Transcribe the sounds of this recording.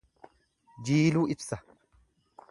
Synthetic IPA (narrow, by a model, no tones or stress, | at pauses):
d͡ʒiːluːɪbsɐ